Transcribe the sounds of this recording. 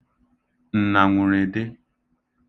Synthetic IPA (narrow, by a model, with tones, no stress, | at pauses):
n̩˨na˨ŋʷʊ˨ɾe˨dɪ˦